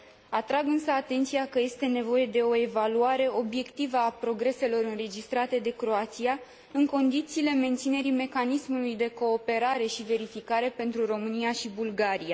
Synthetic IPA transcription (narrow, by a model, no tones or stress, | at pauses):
at̪ɾaɡɨnsəat̪e̞nt̪sijakəje̞st̪e̞ne̞vo̞je̞d̪e̞o̞e̞valuaɾe̞o̞bje̞kt̪ivəapɾo̞ɡɾe̞se̞lo̞ɾɨnre̞d͡ʒist̪ɾat̪e̞d̪e̞kɾo̞at̪sia | ɨŋko̞nd̪it̪siːle̞me̞nt̪sine̞ɾime̞kanismulujd̪e̞ko̞ːpe̞ɾaɾe̞ʃive̞ɾifikaɾe̞pe̞nt̪ɾuro̞mɨnijaʃibulɡaɾia